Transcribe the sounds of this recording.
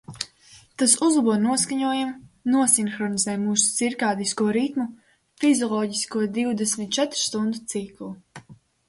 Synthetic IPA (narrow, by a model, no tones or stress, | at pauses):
t̪asuzlˠabuɔnuɔskaɲuɔjamnuɔsinxɾɔnizɛːjmuːsu̥siɾkaːd̪iskuɔɾit̪mu | fizʲɔlˠɔːɟiskuɔd̪iwd̪ɛsmʲit̪̚t͡ʃɛt̪ɾu̥st̪und̪ut̪siklˠu